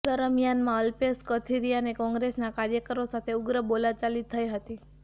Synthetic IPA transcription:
d̪əɾəmijanmãəlpeskət̪ʰiɾijanekɔ̃ŋɡɾesnakaɾjəkəɾosat̪ʰeʊɡɾəbolat͡ʃalit̪ʰːəiɦət̪i

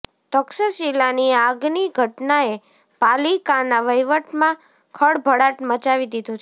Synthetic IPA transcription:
t̪əksəʃilaniaɡniɡʱəʈnae | palikanaʋəjʋəʈmã | kʰəɽbʱəɽaʈmət͡ʃaʋid̪id̪ũt͡ʃʰ

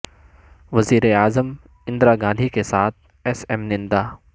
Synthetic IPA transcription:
ʋɐziːɾeaːzəm | ɪ̃nd̪ɾaɡãːnd̪ʱikesaːt̪̚ʰ | ɛsɛːmnɪ̃nd̪aː

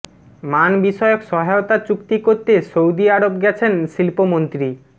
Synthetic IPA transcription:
manbiʃɔeokʃɔɦajot̪at͡ɕukt̪ikoɾt̪esowd̪iaɽobɡɛt͡ɕʰenʃilpomont̪ɾi

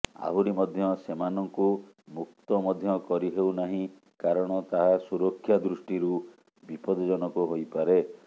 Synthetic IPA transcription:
a̰ɦuɾimɔd̪ʱjɔsemanɔŋku | mukt̪ɔmɔd̪ʱjɔkɔɾiɦewnaɦĩ | kaɾɔɽ̃ɔt̪aɦasuɾɔkʰːjad̪ɾusʈiɾu | bipɔd̪ɔd͡ʒɔnɔkuɦojpaɾe

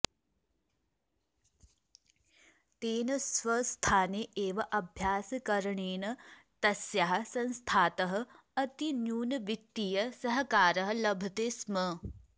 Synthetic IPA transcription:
t̪eːnɐsʋɐst̪ʰaːneʔeːʋɐʔɐbʱjaːsɐkɐɾɐɳeːnɐ | t̪ɐsjaɦɐ̆sɐ̃nst̪ʰaːt̪ɐɦɐ̆ | ɐt̪injuːnɐʋik̚t̪ijɐsɐɦɐkaːɾɐɦɐ̆lɐbʱɐt̪esmɐ

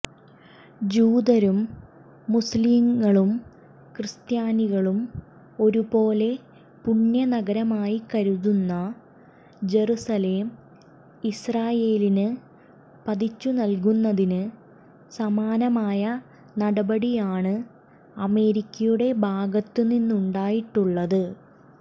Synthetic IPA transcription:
d͡ʑuːd̪ɐɾumː | usliːmːɐɭum | krɨst̪jaːniɣɐɭum | o̞ɾupo̞ːle̞ | puɳjɐnɐɡɐɾɐmaːjikɐɾuðunːɐ | d͡ʑe̞rusɐle̞ːm | israːje̞ːlinɨ | pɐðit͡ɕːunɐlk̬unːɐðinɨ | sɐmaːnɐmaːjɐ | nɐɽɐbɐɽijaːɳɨ | ɐme̞ːɾikʲːɐjuɽe̞bʱaːɡɐt̪ːɨninːuɳɖaːjiʈːuɭːɐðɨ

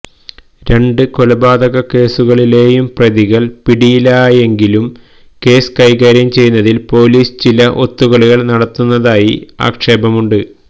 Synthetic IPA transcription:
ɾe̞ɳɖɨko̞lɐbaːd̪ɐɣɐke̞ːsuɣɐɭile̞ːjumprɐðiɣɐɭpiɽijilaːje̞ŋɡilum | ke̞ːsɨ̥kɐjɣaːɾjɐmt͡ɕe̞junːɐðilpo̞ːliːsɨt͡ɕilɐʔo̞t̪ːuɣɐɭiɣɐɭnɐɽɐt̪ːunːɐðaːjia̰ːkʂe̞ːbɐmuɳɖɨ

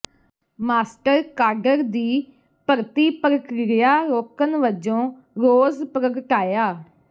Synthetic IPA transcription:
maːsʈəɾkaːɾɖəɾd̪iː | pəɾt̪iːpəɾəkɾɪɾɪjaːɾoːkənʋəd͡ʒõː | ɾoːzpəɾəɡəʈaːjaː

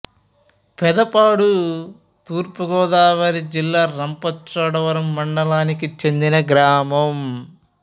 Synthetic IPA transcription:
pɛd̪ɐpaːɽu | t̪uːɾpuɡɔːd̪aːʋɐɾid͡ʒilːaːɾɐmpɐt͡ʃɐɽɐʋɐɾɐmːɐɳɖɐlaːnikit͡ʃe̞nd̪inɐɡɾaːmɐm

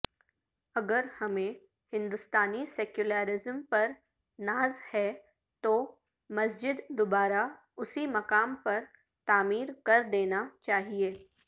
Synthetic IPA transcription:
ɐɡəɾhɐmẽ | hɪ̃nd̪ʊst̪aːnisɛːkjʊlaːɾɪzəmpɐɾ | naːzhɛ | t̪oː | mɐsd͡ʒɪd̪d̪ʊbaːɾa | ʊsimɐkaːmpɐɾ | t̪aːmiːɾkɐɾd̪eːnat͡ʃaːɦieː

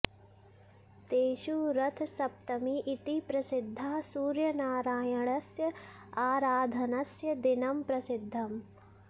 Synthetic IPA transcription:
t̪eːʃuːɾɐt̪ʰsɐp̚t̪ɐmiʔːt̪ipɾɐsɪd̪ʱːaːsuːɾjɐnaːɾaːjɐɳɐsjɐaːɾaːd̪ʱɐnɐsjɐd̪inɐmpɾɐsɪd̪ʱːɐm

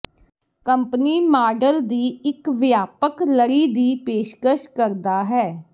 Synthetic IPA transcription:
kəmpniːmaːɖəld̪iːɪkʋɪjaːpəkləɾiːd̪iːpeːʃkəʃkəɾd̪aːɦɛː

